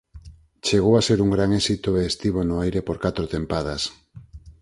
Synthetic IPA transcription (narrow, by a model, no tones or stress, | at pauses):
t͡ʃeɣowaseɾuŋɡɾaŋesit̪oeːst̪iβ̞onʊajɾepoɾkat̪ɾot̪empað̞as